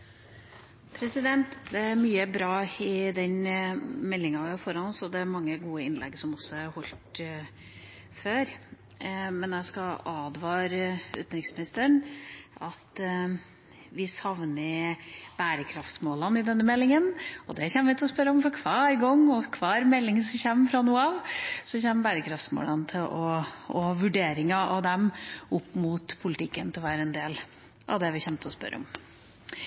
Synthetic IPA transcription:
pʰɾɛsɪd̪ɛnt̪d̪ɛæɾmyːəbɾɑːɪd̪ɛnmɛlːɪŋɑʋɪfɔɾɑnɔsɔd̪ɛæɾmɑŋːəɡuːəɪnlɛ̰ɡsɔmɔsːɔæɾhɔlt̪ | føːɾ | mɛnæskɑɑːd̪ʋɑːɾəʉ̰ːt̪nɾɪŋsmɪnɪst̪əɳɑt̪ | ʋɪsɑʋnəb̥æːɾəkʰɾɑft̪smoːlɑnɪd̪ɛnːəmɛlːɪŋənɔd̪ɛçɛnːəʋɪt̪ʰɛlɔspœɾːəɔmfɔɾkʰʋɑːɾɡɔŋːɔkʰʋɑːɾmɛlːɪŋəsɔmçɛmːfɾɑnuːɑʋsɔçɛmːbæːɾəkʰɾɑft̪smo̰ːlɑnət̪ʰɪlʔɔɔhɑʋʉɖeːɾɪŋɑʔɑʋd̪ɛmʊpːmʊt̪pʰʊlɪt̪ʰɪkːənt̪ʰɪlʋæːɾəɛnd̪eːl | ʔɑ̰ʋd̪ɛʋɪçɛnt̪ʰəɔspœ̰ɾə̰ɔ̰m

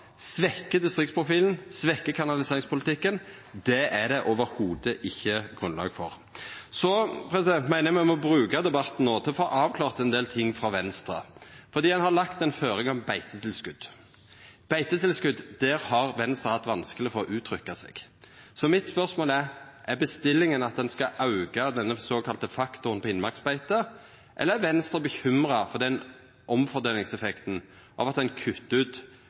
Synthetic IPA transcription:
sʋɛkːəd̪ɪst̪ʁɪkt̪spʰʁʊfiːln̩sʋɛkːəkʰɑnɑlɪseːɾɪŋspʰʊlɪt̪ʰɪkːən | d̪ɛʔæd̪ɛʔoːʋəɾhuːd̪əʔɪçːəɡ̥ʁʉnlɑ̰ːɡfɔʁ | sɔpʰɾɛsɪd̪ɛnt̪mæɪnəmæɪɔmɔbʁʉːkɑd̪ɛbɑt̪ːn̩noːt̪ʰɪlɔfɔʔɑːʋkʰlɑːʁt̪ɛnd̪eːlt̪ʰɪŋːfɾɑʋɛnst̪ɾɑ̰fɔɾd̪iːɛnhɑlɑkt̪ɛnføːɾɪŋɔmbæɪt̪ət̪ʰɪlskʉd̪ | b̥æɪt̪ət̪ɪlskʉd̪d̪ɛːɾhɑʁʋɛnst̪ɾəhɑt̪ːʋɑnskəlɪfɔʁɔʔʉːt̪ʰɾʏkːɑsḛːɡ̥sɔmɪt̪spœʁsmoːlæɾʔæɾbəst̪ɪlːɪŋənɑt̪̚d̪ɛnskɑʔɑʉɡɑd̪ɛnːəsoːkʰɑlt̪əfɑkt̪ʊʁənpʰɔɪnmɑksbæɪt̪ə | ʔɛləæɾʋɛnst̪ɾəbəçʏmɾɑfɔd̪ɛn | ʔɔmfɔɾd̪eːlɪŋsɛfɛkt̪n̩ | ʔɑ̰ʋɑt̪d̪ɛnkʰʉt̪ːʉːt̪

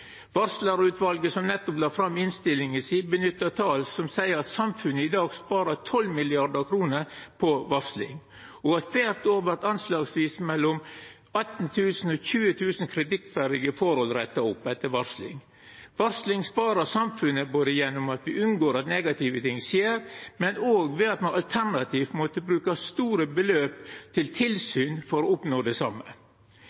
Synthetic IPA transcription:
ʋɑɾslɑɾʉːt̪ʋɑlɡəsɔmnɛt̪ːɔplɑːɾfɾɑmːɪnst̪ɪlɪŋəsiːbənʏt̪ːət̪ʰɑːlsɔmsæɪəɾɑt̪sɑmfʉnːəɪd̪ɑːɡspɑːɾət̪ʰɔlːmɪlɪɑɖəɾkʰɾuːnəɾpʰɔʋɑɾslɪ̰ŋ | ɔɑt̪ʋæɾt̪oːʋəɾt̪ɑnslɑːɡsʋiːsmɛlːɔm | ɑt̪ːn̩t̪ʰʉːsn̩ɔçʉːət̪ʰʉːsn̩kʰɾɪt̪ɪk̚t̪fæɾd̪ɪɡəfɔɾhɔlɾɛt̪ːɑʊpːɛt̪ːəɾʋɑɾslɪ̰ŋ | ʋɑɾslɪŋspɑːɾɑsɑmfʉnːəboːd̪əjɛnːʊmɑt̪ʋɪʔʉnɡoːɾɑt̪nɛɡɑt̪iːʋət̪ʰɪŋːseːɾmɛnoːɡʋɛɑt̪mɑnɑlt̪ʰæɾnɑt̪ʰiːft̪mɔt̪əbɾʉːkɑst̪uːɾəbəløːpt̪ʰɪlt̪ʰɪlsyːnfɔɾɔːʊpnoːd̪ɛsɑmːə̰

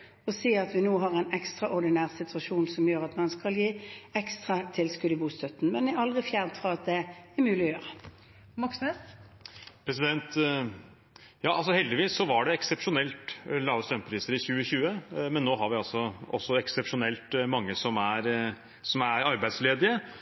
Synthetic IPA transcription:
ɔsiːɑt̪ʋɪnoːɦɑːʁɛɪnɛkst̪ʁɑʔɔʁd̪ɪnæːʁsɪt̪ʰʉɑʃuːnsɔmjøːʁɑt̪mɑnskɑljiːɛkst̪ʁɑt̪ʰɪlskʉd̪əbuːst̪ʰœt̪n̩mɛnæɑld̪ʁɪfjæːʁnt̪fʁɔɑt̪̚d̪ɛæɾmʉːlɪɔjøːʁə | mɑksne | pʰɾɛs̬ɪd̪ɛnt̪ | jɑːʔɑlsɔhɛld̪ɪʋiːsːɔʋɑɖɛɛksɛpʂʊnɛlt̪lɑːʋəst̪ɾœmpʰɾiːsəɾɪçʉːəçʉːəmɛnːoːɦɑɾʋɪɑlsɔʔɔsːɔɛksɛpʂʊnɛlt̪mɑŋːəsɔmæɾ | sɔmæɾɑɾbæɪd̪sleːd̪ɪə

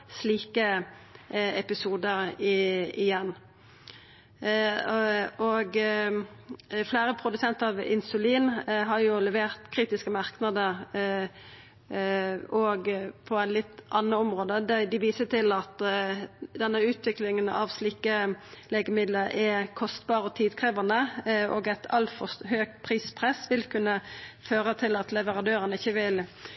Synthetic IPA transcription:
sliːkə | ɛpɪsuːd̪əɾɪɪjɛnː | ɔɡ | fleːɾəpʰʁʊd̪ʉsɛnt̪ɑʋɪ̰nsʉliːnɦɑɾjʊlɛʋeːʁt̪kʰɾiːt̪ɪskəmɑʁknəd̪əʁ | ɔɡpʰɔælɪt̪ʔɑnːəɔmʁoːd̪əd̪ɛd̪ɪʋiːsət̪ɪlɑt̪ | d̪ɛnːəʉːt̪ʋɪklɪŋənɑ̰ʋsliːkəleːɡəmɪd̪ləɾʔɛkʰɔst̪bɑːʁɔt̪ʰiːd̪kʰʁeːʋɑnəʔoːɡæt̪ʰɑlt̪fɔɦøːɡ̚pʰʁiːspʰʁɛsʋɪlkʰʉnːəføːʁət̪ʰɪlɑt̪lɛʋəʁɑnd̪øːʁənəɪçːəʋɪl

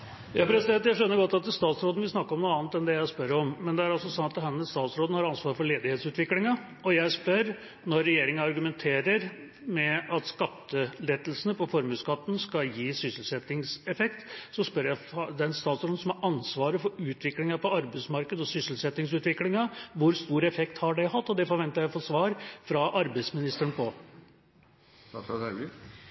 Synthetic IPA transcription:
jɑpʰɾɛsɪd̪ɛnt̪jæɪʂœnːəɾɡɔt̪ːɑt̪st̪ɑːt̪sɾoːd̪n̩ʋɪsnɑkːəɾɔmnuːɑːnt̪ɛnd̪ɛjæɪspœɾɔmmɛnd̪ɛæɾɑlsɔsɑnːɑd̪ɛhænɛst̪ɑːt̪sɾoːd̪n̩hɑɾɑnsʋɑːɾfɔɭeːd̪ɪheːt̪sʉːt̪ʋɪklɪŋɑ | ʔɔjæɪspœɾ | nɔɾːɛjeːɾɪŋəɑɾɡʉmɛnt̪ʰeːɾəɾ | mɛɑt̪skɑt̪ːəlɛd̪əlsənəpʰɔfɔɾmʉːskɑt̪ːən̩skɑjiːsʏsəl̩sɛt̪ːɪŋsɛfɛk̚t̪sɔspœɾjæd̪ɛæɾɛnst̪ɑːt̪sɔɾ̩sɔmhɑɾʔɑnsʋɑːɾəfɔɾʉːt̪ʰʋɪklɪŋɑpɔɑɾbəɪsmɑɾkəd̪ɔsʏsəl̩sɛt̪ːɪŋsʉːt̪ʋɪklɪŋɑʋʊɾst̪uːɾɛfɛkt̪hɑɖæɪhɑt̪ːɔd̪ɛfɔɾʋɛnt̪əɾjæɪfɔʂʋɑːɾfɾɑʔɑɾbəɪsmɪnɪst̪əɾəɳpʰɔ

